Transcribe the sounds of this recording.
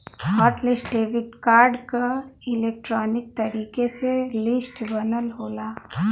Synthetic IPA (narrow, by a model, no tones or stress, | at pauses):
ɔːʈlɪsʈɖeːʋɪɖ̚kaːɾɖkaɪleːk̚ʈɾɔːnɪk̚t̪ɐɾiːkeselɪsʈbɐnəlɦoːlaː